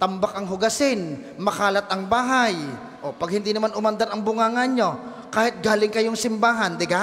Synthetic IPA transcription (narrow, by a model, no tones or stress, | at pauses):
t̪ɐmbak̚ɐŋɦʊɡɐsɪn | mɐkaːlɐt̪̚ʔɐŋbaːɦaj | ʔopɐɡ̚hɪnd̪inɐmanʊmand̪anɐŋbʊŋaːŋanɲo̞ | kaːhɪt̪̚ɡaːlɪŋkɐjoŋsɪmbaːɦand̪ɪɡa